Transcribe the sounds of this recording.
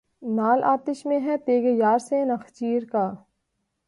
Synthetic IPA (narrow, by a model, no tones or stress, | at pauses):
naːlʔa̰ːt̪ɪʃmẽɦɛ̃t̪eːɡejaːɾsenɐxt͡ʃiːɾkaː